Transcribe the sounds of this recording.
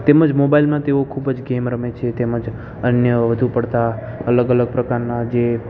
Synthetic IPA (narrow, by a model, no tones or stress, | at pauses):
t̪eməd͡ʒmobailmãt̪eokʰubəd͡ʒɡemɾəmet͡ʃʰet̪eməd͡ʒ | ənjəʋəd̪ʱupəɽt̪a | ələɡələɡ̚pɾəkaɾnad͡ʒe